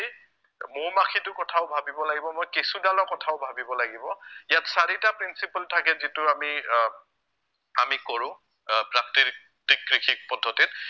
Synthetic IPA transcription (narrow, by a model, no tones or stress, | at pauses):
mʊɹmaxʰitʊkɔtʰaʊbʱabibɔlaɡibɔmojkesudalɔkɔtʰaʊbʱabibɔlaɡibɔijatsaɹitapɹinsipaltʰakɛzitʊami | amikɔɹʊ̃ | pɹak̚ti | tikɹixʰik̚pɔdʱːɔtit̚